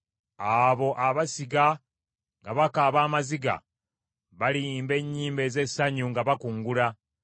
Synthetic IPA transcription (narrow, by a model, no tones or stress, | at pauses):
aβo̞ʔaβasiɡa | ŋɡaβakaβaːmaziɡa̰ | βaliːmbe̞ɲːiːmbe̞ːze̞sːaɲuŋɡaβakuːŋɡula